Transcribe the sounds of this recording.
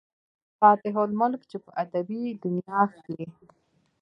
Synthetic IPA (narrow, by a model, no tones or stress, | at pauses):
pɑːt̪ɪɦolmʊlkt͡ʃepəʔad̪abid̪ʊnjɑxk̪li